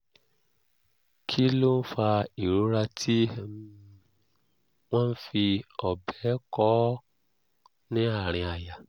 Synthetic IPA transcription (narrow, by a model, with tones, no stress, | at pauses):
kʰi˦lo˦n̩˦fa˧i˨ɾu˨˦ɾa˧tʰi˦ | w̃ɔ̃˦n̩˦fi˧ɔ˨bɛ˨˦kɔ˦ | nĩ˦a˦˨ɾ̃ĩ˧a˨ja˨